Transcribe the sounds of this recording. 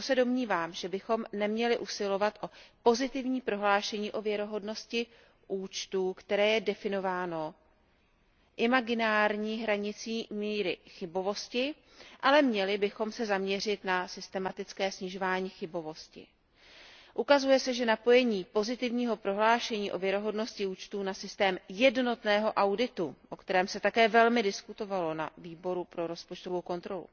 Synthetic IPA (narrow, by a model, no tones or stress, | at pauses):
sɛdo̞mɲiːvaːmʒɛbɪxo̞mnɛmɲɛlɪʔusɪlo̞vat̪ʔo̞po̞zɪt̪ɪvɲiːpɾo̞ɦlaːʃɛɲiːʔo̞vjɛɾo̞ɦo̞dno̞scɪ | ʔuːt͡ʃt̪uːkt̪ɛɾɛːjɛdɛfɪno̞vaːno̞ | ʔɪmaɡɪnaːɾɲiːɦɾaɲɪt͡siːmiːɾɪxɪbo̞vo̞scɪ | ʔalɛmɲɛlɪbɪxo̞msɛzamɲɛr̝ɪt̪nasɪst̪ɛmat̪ɪt͡skɛːsɲɪʒo̞vaːɲiːxɪbo̞vo̞scɪ̰ | ʔukazujɛsɛʒɛnapo̞jɛɲiːpo̞zɪt̪ɪvɲiːɦo̞pɾo̞ɦlaːʃɛɲiːʔo̞vjɛɾo̞ɦo̞dno̞scɪuːt͡ʃt̪uːnasɪst̪ɛːmjɛdno̞t̪nɛːɦo̞ʔawdɪt̪uʔo̞kt̪ɛɾɛːmsɛt̪akɛːvɛlmɪdɪskut̪o̞valo̞naviːbo̞ɾupɾo̞ɾo̞spo̞t͡ʃt̪ovowko̞nt̪ɾo̞lṵ